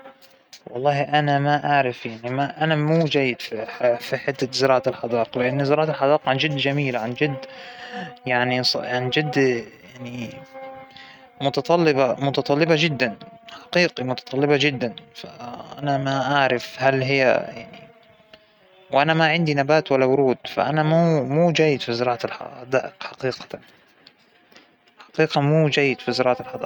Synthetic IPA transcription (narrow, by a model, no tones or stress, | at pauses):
wɑ̰lˤːɑːhʔanamaʔaʕɾˤɪfjaʕnimaʔanamuːd͡ʒajːɪd̪fifiħɪd̪ːazɪɾˤɑːʔat̪ɪlħɑd̪ɑːqlɪʔɪnːzɪɾɑːʔat̪alħɑd̪ˤɑːqʕand͡ʒɪd̪ːd͡ʒamiːlʕand͡ʒɪd̪ː | jaʕnisˤʕand͡ʒɪd̪ːjaʕni | mʊt̪ɑt̪ˤɑlːɪbamʊt̪ɑt̪ˤɑlːɪbad͡ʒɪd̪ːanħḁqiːqimʊt̪ɑ̥t̪ˤɑlːɪbad͡ʒɪd̪ːanfa̰ʔa̰namaʔaʕɾˤɪfhalɦɪjːa̰jaʕni | wʔanamaʕɪnd̪inabaːt̪walːawʊɾuːd̪̥fa̰ʔanamuːmuːd͡ʒaːjːɪd̪fizɪɾˤɑːʕalħɑ̰d̪a̰ːʔɪqħaqiːqḁa | ħɑ̥qiːqɑmuːd͡ʒaːjːɪd̪fizɪɾɑːʕaɪlħɑd̪ˤ